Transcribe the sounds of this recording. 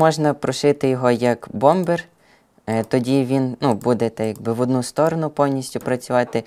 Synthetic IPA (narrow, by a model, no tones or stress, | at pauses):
mɔʒnɐpɾɔʃɪt̪ɪjɔɦɔjɐkbɔmber | t̪ɔdʲiʋʲinnubud̪ɛt̪ɛjaɡbɪʋɔd̪nust̪ɔɾɔnʊpɔwnʲisʲtʲʊpɾɐt͡sʲʊʋɑt̪ɪ